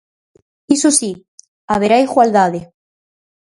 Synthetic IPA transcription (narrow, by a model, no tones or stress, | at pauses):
isosi | aβeɾaiɣwald̪aðe